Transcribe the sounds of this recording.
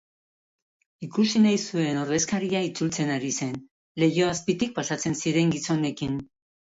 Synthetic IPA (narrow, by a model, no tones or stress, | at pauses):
ikusinajsue̞no̞ɾðe̞skaɾiait͡sult͡se̞naɾise̞n | le̞jo̞aspit̪ik̚pasat͡se̞nsiɾe̞ŋɡiso̞ne̞kin